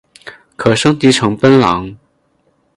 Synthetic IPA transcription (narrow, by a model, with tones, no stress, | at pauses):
kʰœ˨˩sɤ˥ŋt̪iː˨˥ʈ͡ʂʰɤ˨˥ŋpə˥nlɐ̰˨˥ŋ